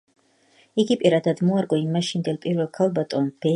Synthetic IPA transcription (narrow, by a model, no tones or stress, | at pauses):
iɡipʼiɾad̪ad̪mɔaɾɡʼɔimːaʃind̪ɛlpʼiɾvɛlˠkʰalˠbat̪ʼɔnb̥ɛ